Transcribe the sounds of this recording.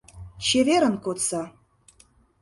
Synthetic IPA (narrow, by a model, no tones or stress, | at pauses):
t͡ɕeveɾə̆nkot̪t͡sɑ